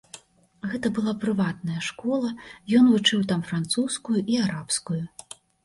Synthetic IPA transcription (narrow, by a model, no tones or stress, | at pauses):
ɣɛt̪ɐbɨlˠapɾɨvat̪̚nɐjɐʂkɔlˠɐjɔnvut͡ʂɨwt̪amfɾant̪suskujuʔiaɾapskuju